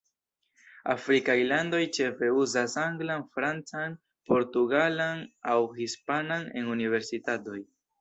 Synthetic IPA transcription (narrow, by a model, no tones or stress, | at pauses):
a̰fɾikajlando̞jt͡ʃe̞fe̞uzasaŋɡlanfɾant͡san | po̞ɾtuɡalanawhispanane̞̰nunive̞ɾsitato̞j